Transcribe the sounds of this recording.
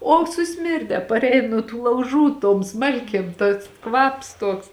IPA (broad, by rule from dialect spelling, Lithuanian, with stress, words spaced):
oː sʊˈsʲmʲɪrʲdʲɛ pɐrʲˈɛɪn nuɔ tuː lˠɐʊˈʒuː toːm ˈsmɐlʲkʲeːm tɐs ˈkʋɐps ˈtoːks